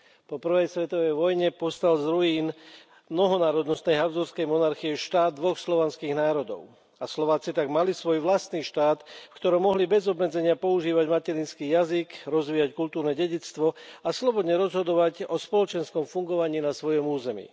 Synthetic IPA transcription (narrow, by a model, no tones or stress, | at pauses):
pɔpr̩ʋɛjsʋɛt̪ɔʋɛjʋɔjɲɛpɔst̪alzɾɔjiːn | mnɔɦɔnaːɾɔd̪nɔst̪nɛjɦabzuɾskɛjmɔnaɾxiɛʃt̪aːd̪̚ːʋɔxslɔʋanskiːɣnaːɾɔd̪ɔ̰ʊ | aslɔʋaːt͡sit̪aɡmalisʋɔjʋlast̪niːʃt̪aːt̪fkt̪ɔɾɔmːɔɦlibɛzɔbmɛd͡zɛɲɪapɔuʒiːʋaɟmacɛɾiːnskiːjazikɾɔzʋiːjackult̪uːɾnɛɟɛɟit͡st̪ʋɔaslɔbɔd̪ɲɛɾɔzɦɔd̪ɔʋaɟɔspɔlɔt͡ʃɛnskɔmfuŋɡɔʋaɲiːnasʋɔjɔmuːzɛmḭ